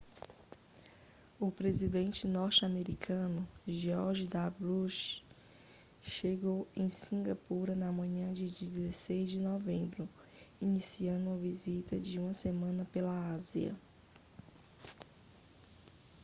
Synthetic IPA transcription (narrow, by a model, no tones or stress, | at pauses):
ʊpɾezid̪ẽnt͡ʃɪnɔɾt͡ʃameɾikʰɐ̃nʊʒeɔɾʒd̪abluʃ | ʃeɡowẽj̃sĩŋɡapuɾɐnɐmɐ̃ɲɐ̃d͡ʒɪd͡ʒizesejzd͡ʒɪnɔvẽmbɾʊ | inisiɐ̃nd̪ʊɐvizit̪ɐd͡ʒɪũmɐsemɐ̃nɐpelɐaziɐ̰